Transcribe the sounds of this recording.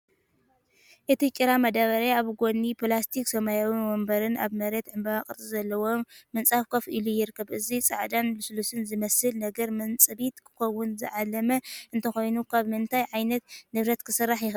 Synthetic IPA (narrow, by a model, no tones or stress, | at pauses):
ʔɨt̪ʰit͡ʃʼiɾamɐd̪aβɐɾaaβɡo̞nːipʰlast̪ʰiksɐmajawiwombɐɾɨnʔa̰βmɐɾet̪ʕɨmbɐβakʼɨɾʼizɐlːɐwomːɨnt͡sʼafkʰɐfʔilujɪɾkʰːɐβʔɨzit͡sʼa̰ʕd̪anbɨsulusɨnzɨmɐsɨlnɐɡɐɾmɨnt͡sʼɨβit̪kʰɨ̥xɐwːʊnzɨ̰ʕalːɐmɐʔɨnt̪ʰɐxo̞jnukʰaβmɨnt̪ʰajʕajnɐt̪nɨβɾɐt̪kʰɨsɨrːaħjɪx